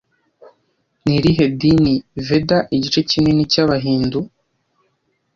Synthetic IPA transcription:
niɾiɦedinivedaʔiɟit͡ʃe̞cinenicaβaɦiːndu

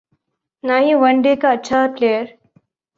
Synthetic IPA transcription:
najiʋɐɳɖekaːtːt͡ʃʰaplejəɾ

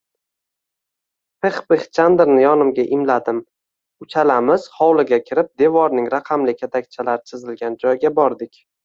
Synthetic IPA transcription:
pʰeχbɪχt͡ʃʰand̪ɪɾnɪjɒnɪmɡʲaʔɪmlad̪ɪm | ʊt͡ʃʰalamɪz̥χɒwlˠɪɡʲakʲʰɪɾɪp̚d̪e̞vɒɾnɪŋɾaqʰɑmlɪkʲʰet̪ʰak̚ʲt͡ʃʰalaɾɪt͡ʃʰɪzɪlɡʲand͡ʒɒjɡʲabɒɾd̪ɪkʲ

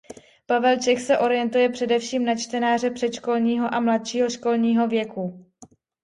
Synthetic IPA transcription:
pavɛlt͡ʃɛxsɛʔo̞ɾɪjɛnt̪ujɛpr̝̥ɛdɛfʃiːmnat͡ʃt̪ɛnaːr̝ɛpr̝̥ɛt̪t͡ʃko̞lɲiːɦo̞ʔamlat̪ʃiːɦo̞ʃko̞lɲiːɦo̞vjɛku

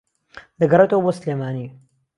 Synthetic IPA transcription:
d̪ɐɡɐret̪əwboːslemaːni

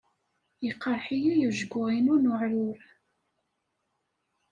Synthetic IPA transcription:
jəqːəɾˤħijijuʒɡʊʁinunʊʕɾʊɾ

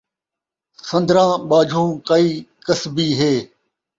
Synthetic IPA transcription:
sɐ̃nd̪ɾãːɓaːd͡ʒʱõːkaiːkəsbiːɦeː

